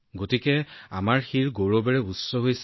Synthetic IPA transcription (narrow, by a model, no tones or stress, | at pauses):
ɡotikɛa̰maɹxiɹɡoɹɔbɛɹɛusːɔɦojs